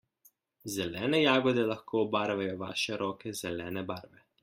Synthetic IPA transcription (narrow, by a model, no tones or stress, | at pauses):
zɛlɛːnɛjaːɡɔd̪ɛlaxkʰoːbaːɾʋajɔʋa̰ːʃɛɾɔːkɛzɛlɛːnɛbaːɾʋɛ